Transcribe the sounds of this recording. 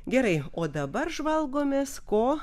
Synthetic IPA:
ɡʲɛɾɐɪoːd̪ɐbɐɾʒʋɐlˠɡoːmʲeːskoː

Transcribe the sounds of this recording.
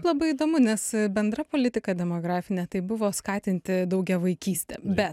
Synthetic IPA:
plˠɐbɐɪid̪oːmʊnʲɛsbʲɛnd̪rɐpoːlʲɪt̪ʲɪkɐd̪ʲɛmoːɡɾɑːfʲɪnʲɛːt̪ɐɪbʊʋoːskɑːt̪ʲɪnʲt̪ʲɪd̪ɐʊɡʲɛʋɐɪkʲiːsʲt̪ʲɛ̰bʲɛt

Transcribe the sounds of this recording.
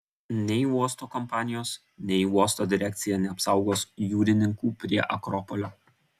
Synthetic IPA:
nʲɛɪuɔst̪oːkɔmpɑːnʲɪjoːs | nʲɛɪuɔst̪oːd̪ʲɪɾʲɛk̚ʲt̪sʲɪjɛnʲɛɐpsɑʊɡoːsjuːɾʲɪnʲɪŋkuːpʲɾʲiɛʔɐkɾɔpɔlʲoː

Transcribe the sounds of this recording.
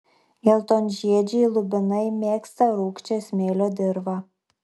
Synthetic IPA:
jɛlˠt̪onʲʒʲiɛd͡ʒʲɛjlˠʊbʲɪnɐɪmʲeːkst̪ɐɾuːkt͡ʃʲɛsʲmʲeːlʲoːd̪ʲɪɾʋɑ

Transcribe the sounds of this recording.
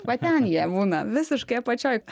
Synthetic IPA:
ʋɐt̪ʲɛnjiɛbuːnɐʋʲɪsʲɪʃkɐɪpɐt͡ʃʲoːjk

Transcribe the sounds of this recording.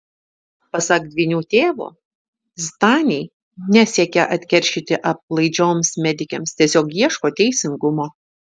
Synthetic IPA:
pɐsɑkd̪ʲʋʲinʲuːt̪ʲeːʋṵː | st̪ɑːnʲɛɪ | nʲɛsʲiɛkʲɛʔɐt̪ʲkʲɛɾʲʃʲit̪ʲɪʔɐp̚lˠɐɪd͡ʒʲoːmsmʲɛd̪ʲɪkʲɛmst̪ʲiɛsʲoːkjiɛʃkoːt̪ʲɛɪsʲɪŋɡʊmoː

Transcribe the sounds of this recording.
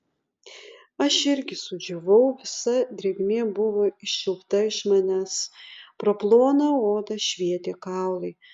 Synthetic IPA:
ɐʃɪɾʲɡʲɪsʊd͡ʒʲoʋɐʊʋʲɪsɐd̪ʲɾʲeɡʲmʲeːbʊʋoɪʃʲʃʲɪlˠkt̪ɐɪʃmɑnʲæːspɾoplˠoːnɐoːd̪ɐʃʲʋʲiɛt̪ʲeːkɑˑʊlˠɐɪ

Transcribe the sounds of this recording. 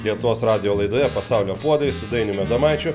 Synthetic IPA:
lʲiɛt̪ʊʋoːsɾɑːd̪ʲɪjoːlˠɐɪd̪oːjɛpɐsɑˑʊlʲoːpuɔd̪ɐʋʲɪsʊd̪ɐɪnʲʊmʲɛd̪ɐmɑɪt͡ʃʲʊ

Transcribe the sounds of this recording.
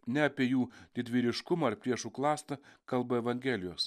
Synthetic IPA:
nʲɛɐpʲiɛjuːd̪ʲɪd̪ʲʋʲiːɾʲɪʃkʊmɐɐɾpʲɾʲiɛʃuːklˠɑːst̪ɐkɐlˠbɐɛʋɐŋʲɡʲɛlʲɪjoːs

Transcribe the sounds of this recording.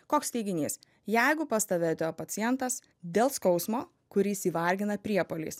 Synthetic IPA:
koːksʲt̪ʲɛɪɡʲɪnʲḭːs | jɛɪɡʊpɐst̪ɐʋʲeːt̪ʲopɐt̪sʲɪjɛnt̪ɐs | d̪ʲeːlˠskɔʊsmoː | kʊɾʲɪsiːʋɐˑɾʲɡʲɪnɐpʲɾʲiɛpoːlʲḭːs

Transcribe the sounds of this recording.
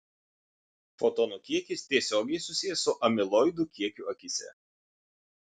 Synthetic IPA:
fot̪oːnukʲiɛkʲɪst̪ʲiɛsʲoːɡʲɛɪsʊsʲɪjɛsʊʔɐmʲɪlˠɔɪd̪ʊkʲiɛkʲuɐkʲɪsʲɛ̰

